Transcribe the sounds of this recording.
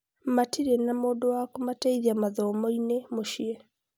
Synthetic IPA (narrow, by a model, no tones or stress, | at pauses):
matiɾenamoːdowakomateiðiamaðɔmɔinemoʃie